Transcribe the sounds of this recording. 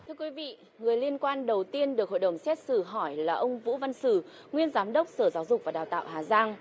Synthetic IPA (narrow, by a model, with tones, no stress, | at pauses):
t̪ʰɨ˧əkwi˨˦vḭ˧˨ | ŋɨ˨˩əjli˧ənkwaː˧nɗə˨˩wt̪i˧ənɗɨ˨˩ək̚ho̰˧˨jɗə˧˩ŋ͡msɛ˦˥t̚sɨ˧˩ɦɔ˧˩jlaː˨˩ʔə˧wŋ͡mvṵ˧˥va˧nsɨ˧˩ | ŋwi˧ənzaː˨˦mɗə˦˥wk͡p̚səː˧˩zaː˨˦wzʊ˨˩k͡p̚vaː˨˩ɗaː˨˩wt̪a̰ː˧˨wɦaː˨˩zaː˧ŋ